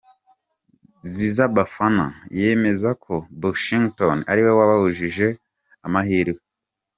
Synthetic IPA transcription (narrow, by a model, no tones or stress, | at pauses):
zizabafana̰je̞me̞zakʰo̞boʃiŋɡtona̰ɾiwewaβaβuʒiʒe̞ | amaɦiːɾwe